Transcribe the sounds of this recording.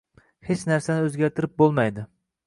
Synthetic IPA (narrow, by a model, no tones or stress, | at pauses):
het͡ʃnæɾsanɪɵzɡʲaɾt̪ʰɪɾɪp̚bolˠmajd̪ɪ